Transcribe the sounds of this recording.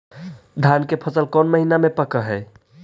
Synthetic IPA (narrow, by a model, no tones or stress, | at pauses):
d̪ʱankepʰəsəlkɔnməɦinamepəkəɦɛj